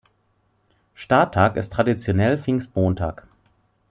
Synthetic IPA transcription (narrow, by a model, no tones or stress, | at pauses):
ʃtaɐtʰaːkɪ̰stʁ̥adit͡sjonɛlfɪŋstmoːntʰaːk